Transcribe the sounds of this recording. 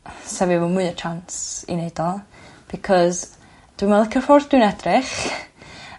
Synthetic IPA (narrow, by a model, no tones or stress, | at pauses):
sɛvɪvɔmʊɨət͡ʃʰansḭnejdɔlˠb̥ɪkʰɔz | d̥winvɛlˠkʰərfɔrθd̥wɨnɛdrɪχ